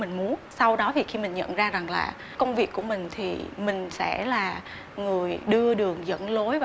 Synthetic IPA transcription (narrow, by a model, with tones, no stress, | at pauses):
mï˨˩ŋmu˨˦ənsa˧wɗɔ˨˦t̪ʰi˨˩xi˧mï˨˩ŋ̟ɲə̰˧˨nzaː˧za˨˩ŋla̰ː˨˩ | kə˧wŋ͡mvi˨˩əkːu˧˩əmï˨˩ŋ̟t̪ʰḭ˨˩mï˨˩ŋ̟sɛ̰˧˥laː˨˩ | ŋɨ˨˩əjɗɨ˧əɗɨ˨˩əŋzə̰˧˥nlo˨˦jv